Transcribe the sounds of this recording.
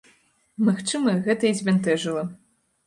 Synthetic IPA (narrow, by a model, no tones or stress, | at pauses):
maxt͡ʂɨmɐɣɛt̪ɐizʲmʲɛnt̪ɛʐɨlˠɐ